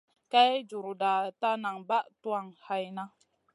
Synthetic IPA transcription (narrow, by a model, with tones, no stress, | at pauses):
ka˦jd͡ʒu˨ɾu˨da˨ta˦na˨ŋba˦ʔtu˦a˦˨ŋha˦jna˦